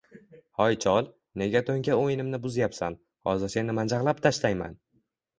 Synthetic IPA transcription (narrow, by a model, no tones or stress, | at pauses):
hɒjt͡ʃʰɒlˠ | ne̞ɡʲat̪ʰoŋkʲaojɪnɪmnɪbʊzjapsan | hɒ̰zɪɾse̞nɪmand͡ʒaʁlˠap̚t̪ʰaʃlajma̰n